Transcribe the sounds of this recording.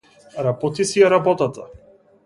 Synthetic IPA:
ɾabɔt̪isiaɾabɔt̪at̪a

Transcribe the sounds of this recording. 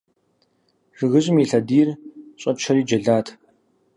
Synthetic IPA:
rɨɣɨɕʼɪmiːɬɐdiːrɕʼɐt͡ʃʰɐriːd͡ʒɐɮaːtʰ

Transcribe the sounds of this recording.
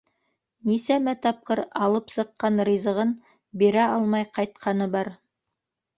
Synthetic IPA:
nisæmæt̪ɑp̚qɤɾɑlˠɤpsɤ̆qːɑnɾizɤ̆ʁɤn | biɾæɑlˠmɑjqɑjt̪̚qʰɑnɤbɑɾ

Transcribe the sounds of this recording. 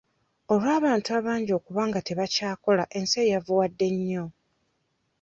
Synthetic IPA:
o̞lwaːβaːntuaβaːɲɟo̞ːkuβaːŋɡate̞βacaːko̞laʔe̞nse̞javuwadːe̞ɲːo̞

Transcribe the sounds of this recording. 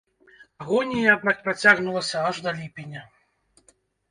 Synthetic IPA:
aɣɔnʲijaakpɾat͡sʲaɣnulˠɐsʲɐaʐd̪ɐlʲipʲinʲɐ

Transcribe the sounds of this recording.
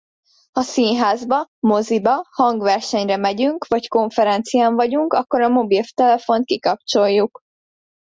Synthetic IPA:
hɒsiːnɦaːzbɒmo̞zibɒhɒŋɡʋɛrʃɛɲrɛmɛɟyŋkʋɒcko̞ɱfɛɾɛnt̪sijaːɱvɒɟuŋkɒkːo̞ɾɒmo̞bilft̪ɛlɛfo̞nt̪̚kikɒp̚t͡ʃo̞jːuk

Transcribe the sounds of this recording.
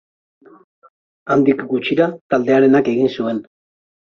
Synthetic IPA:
and̪ikɡut͡ʃiɾat̪ald̪e̞aɾe̞nake̞ɣinsue̞n

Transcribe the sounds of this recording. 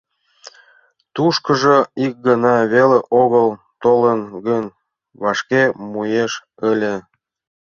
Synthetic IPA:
t̪uʃkəʒəik̚ɡənɑβeleʔoɣəl | t̪olənɡənʲ | βɑʃkemujeʃ | ə̆lʲe

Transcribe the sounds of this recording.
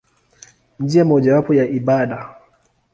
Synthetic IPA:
nd͡ʒiamɔʄawapɔjaʔiɓaɗa

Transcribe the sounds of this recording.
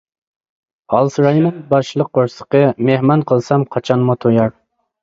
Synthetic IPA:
ɑlˠsɾɑjnɨŋbɑʃlˠəqːoɾsə̥qəmehmɑnqʰəlˠsɑmqʰɑt͡ʃʰɑnmut̪ʰojɑɾ

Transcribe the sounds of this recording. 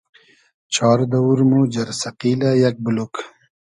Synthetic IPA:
t͡ɕʰɑːɾd̪ɐwuɾmod͡ʑɐɾsɐqiːlajɐk̚buluk

